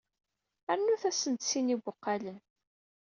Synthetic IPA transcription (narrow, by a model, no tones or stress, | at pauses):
æɾnuθæsənt̪sinibʷʊqːɑlən